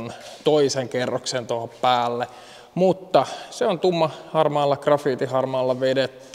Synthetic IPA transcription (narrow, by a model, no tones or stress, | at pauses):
nt̪oiseŋkerːoksent̪ohoppæːlːe | mut̪ːɑseont̪umːɑhɑrmɑːlːɑkrɑfiːt̪ihɑrmɑːlːɑʋedet̪ː